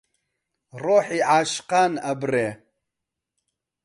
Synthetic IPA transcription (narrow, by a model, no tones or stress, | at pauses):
roːħiʕaːʃqaːnɐbre